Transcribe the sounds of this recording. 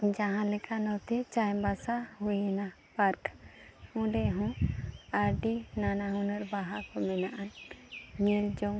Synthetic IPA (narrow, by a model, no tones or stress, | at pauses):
d͡ʒãɦãlɛkʰanɔt̪ɛt͡ʃajbasahujɛna | paɾk | ũɖɛɦɔ̃aɾɖinanaɦũnəɾbaɦakɔmɛnaʔanɲild͡ʒɔŋ